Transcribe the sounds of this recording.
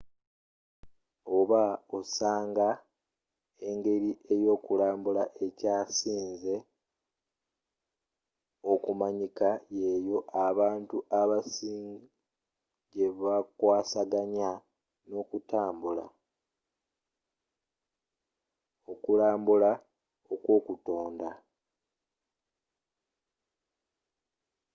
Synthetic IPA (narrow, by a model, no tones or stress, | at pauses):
o̞βaosaːŋɡa | e̞ŋɡe̞ɾiʔe̞jo̞ːkulaːmbulaʔe̞caːsiːnze | okumaɲikaje̞jo̞ʔaβaːntuʔaβasiːŋ | ɟe̞βakwaːsaɡaɲa | no̞kutaːmbula̰ | o̞kulaːmbula | okwo̞ːkuto̞ːnda